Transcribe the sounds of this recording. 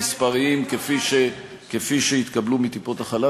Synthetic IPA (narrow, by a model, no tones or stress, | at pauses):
spaʁiimkefiʃe | kefiʃeit̪kablumit̪ipo̞t̪aχala